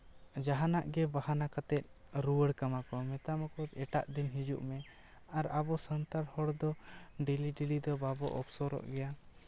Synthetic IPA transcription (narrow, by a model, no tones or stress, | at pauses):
d͡ʒaɦanaʔɡɛbahanakat̪ɛt̪̚ˀ | ɾuwəɽkamakɔmɛt̪amakɔt̪ɛʈaʔd̪inɦid͡ʒuʔmɛ | aɾabɔsənt̪aɾhɔɽd̪ɔɖiliɖilid̪ɔbabɔ̰ʔɔpsɔɾɔ̰ʔɡɛja